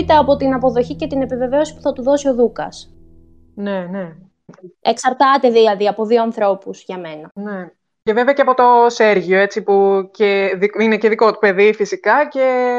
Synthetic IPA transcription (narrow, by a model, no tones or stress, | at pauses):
it̪eɐpo̞t̪inɐpo̞ðo̞çice̞t̪ine̞pive̞ve̞o̞si̥pu̥θɐt̪uðo̞sio̞ðukɐ̰s | ne̞ne | eksɐɾt̪ɐt̪e̞ðilɐðiɐpo̞ðio̞ɐnθɾo̞puz̥ʝɐme̞nɐne | ceveveɐceɐpo̞t̪o̞se̞ɾʝioe̞t͡sipuceðiineceðikot̪upe̞ðifisikɐce̞